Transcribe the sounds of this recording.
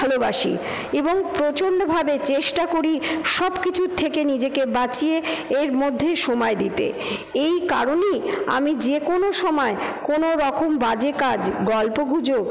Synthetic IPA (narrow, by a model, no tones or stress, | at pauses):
alobaʃḭ | eboŋpɾot͡ɕonːobʱabet͡ɕeʃʈakoɾiʃɔbkit͡ɕʰut̪ʰːekenid͡ʑekebat͡ɕieeɾmod̪ʱːeʃomɔed̪it̪ḛ | ejka̰ɾoneja̰mid͡ʑekonoʃɔmɔekonoɾɔkombad͡ʑekad͡ʑɡɔlpoɡʱud͡ʑo